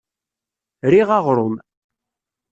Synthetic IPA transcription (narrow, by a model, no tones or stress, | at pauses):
ɾiʁɑʁɾˤʊn